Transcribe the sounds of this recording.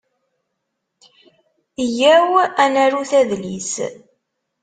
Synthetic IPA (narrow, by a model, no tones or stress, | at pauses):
jæwænæɾuθæðlis